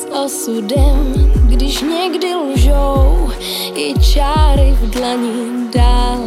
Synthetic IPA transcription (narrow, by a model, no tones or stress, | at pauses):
sʔosudɛmɡdɪʃɲɛɡdɪluʒow | ɪt͡ʃaːɾɪvdlaɲidaːl